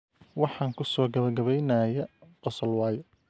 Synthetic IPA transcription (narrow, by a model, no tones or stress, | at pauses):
wɑħɑːŋkʰʊsɔːɡɐβɐɡɐβɛjnɐjɐqɔsɔlwɑːjɔ